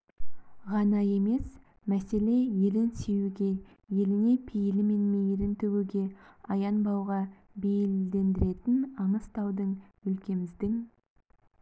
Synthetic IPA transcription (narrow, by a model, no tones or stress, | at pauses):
ʁɑnɑje̞me̞s | mæse̞le̞je̞lɪnse̞wuɡʲe̞ | je̞lɪne̞pʰejɪlɪme̞nmejɾɪnt̪ʰɵɡuɡʲe̞ɑjɑnbɑwʁɑ | be̞jɪld̪e̞nd̪ɪɾe̞t̪ɪnɑɴəst̪ʰɑwd̪əɴʏlkʲe̞mɪzd̪ɪŋ